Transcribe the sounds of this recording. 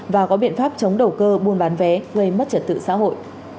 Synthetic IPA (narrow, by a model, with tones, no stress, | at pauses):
vaː˨˩kɔ˨˦ɓḭ˧˨ənfaː˦˥p̚t͡ɕə˨˦wŋ͡mɗə˨˩wkəː˧ɓu˧nɓaː˨˦nvɛ˨˦ɣə˧jmə˦˥t̚t͡ɕə˨˩t̚t̪ɨ̰˧˨sa̰ː˧˥ɦo̰˧˨jʔ